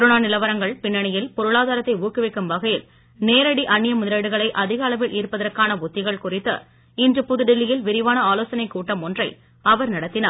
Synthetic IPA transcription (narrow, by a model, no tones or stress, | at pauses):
ɾɯnaːnɪlɐʋɐɾɐŋɡɐɭpɪnːɐɳɪjɪlpɔɾɯɭaːðaːɾɐt̪ːɐɪuːkɯʋɐɪkːɯmʋɐɣɐjɪl | neːɾɐɽiʔɐnːɪjɐmʊðɪɾɐːɽɯɣɐɭɐɪʔɐðɪɣɐːlɐʋɪlʔiːɾpɐðɐɾkaːnɐʊt̪ːɪɣɐɭkʊrɪt̪ːɐ̰ | ɪndrɯpʊðɯɖɪlːɪjɪlʋɪɾɪʋaːnɐaːloːsɐnɐɪkːuːʈːɐmɔndrɐɪ | ɐʋɐɾnɐɽɐt̪ːɪnaː